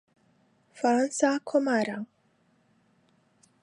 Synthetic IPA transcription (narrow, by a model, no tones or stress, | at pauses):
fɾansakʰomaɾa